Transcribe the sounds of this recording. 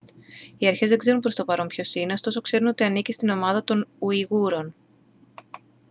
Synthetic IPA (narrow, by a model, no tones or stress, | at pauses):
iɐɾçe̞zðe̞ɡze̞ɾunpɾo̞st̪opɐɾo̞mpço̞sineo̞st̪o̞so̞kse̞ɾuno̞t̪iɐnicist̪ino̞mɐðɐt̪o̞nuiɣuɾo̞n